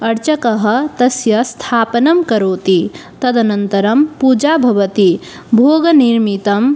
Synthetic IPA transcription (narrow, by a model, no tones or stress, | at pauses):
ɐɾt͡ʃɐkɐɦɐt̪ɐsjɐst̪ʰaːpnɐmkɐɾoːt̪it̪ɐd̪ɐnɐnt̪ɐɾɐmpud͡ʒabʱɐʋət̪i | bʱoːɡɐniɾmit̪ɐm